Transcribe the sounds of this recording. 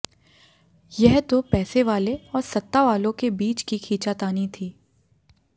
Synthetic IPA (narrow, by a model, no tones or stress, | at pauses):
jɛɦt̪opɛːseʋaːleɔːɾsɐt̪ːaʋaːlõkebiːt͡ʃkikʰiːt͡ʃat̪aːnit̪ʰiː